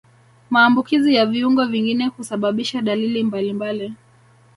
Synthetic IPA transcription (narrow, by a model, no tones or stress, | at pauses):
maːmbukizijaviuŋɡɔviŋɡinɛhusaɓaɓiʃaɗalilimbalimbali